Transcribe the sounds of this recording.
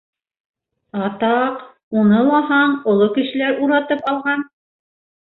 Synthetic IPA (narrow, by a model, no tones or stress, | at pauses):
ɑt̪ɑq | unɤlˠɑɦɑɴŏlˠokɘ̆ʃɘ̆læɾuɾɑt̪ɤpɑlˠʁɑn